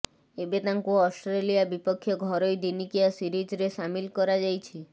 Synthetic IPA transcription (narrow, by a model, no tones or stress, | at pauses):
ebet̪aŋkuɔsʈɾelijabipɔkʰːjɔɡʱɔɾɔjd̪inikijasiɾid͡ʒɾeʃamilkɔɾad͡ʒajt͡ʃʰi